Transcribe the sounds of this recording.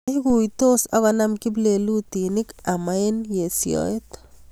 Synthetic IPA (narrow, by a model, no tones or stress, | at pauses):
iɡujt̪osaɣanamkib̬lelut̪inikamaenjesjo̰et̪